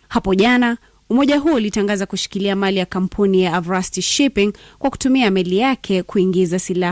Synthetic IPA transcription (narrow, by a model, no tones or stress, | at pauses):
hapɔʄana | umɔʄaɦuɔulitaŋɡazakuʃi̥kiliamalijakam̩pʰunijaːvɾastiʃipiŋkwaku̥tumiamɛlijakʰɛkuiŋɡizasilah